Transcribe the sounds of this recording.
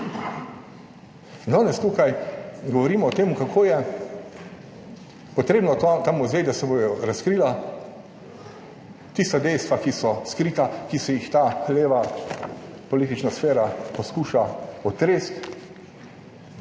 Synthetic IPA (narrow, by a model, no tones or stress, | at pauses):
nd̪ɔːnɛst̪ukajɡɔʋɔɾiːmɔːt̪eːmʊkakʰoːjɛ | pɔt̪ɾeːbnɔt̪t̪amuzʋeːd̪asɛbojɔɾaskɾiːla | t̪ist̪ad̪ɛjst̪ʋakisɔskɾiːt̪akisɛjixt̪aːleːʋa | pɔliːt̪it͡ʃnasfeːɾapɔskuːʃaɔt̪ɾeːst̪